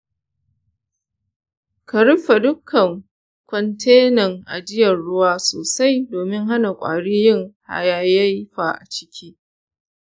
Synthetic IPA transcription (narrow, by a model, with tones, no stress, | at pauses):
kɐ˨ɽɪ˦ɸa˨dʊ˦kʰːɐ˨ŋ | kʷɔ˨ntʰeː˦nɐ˨ŋʔa̰˨d͡ʒɪ˦jɐ˨ɽʊ˦waː˦soː˨sa˦jdoː˨mɪ˦ŋɦa˦na˨kʷʼa̰ː˨ɽiː˦jɪ˦˨ŋha̰˨jaː˦ja˦jɸaː˨ʔa̰˨t͡ʃɪ̥˦kʲʰiː˦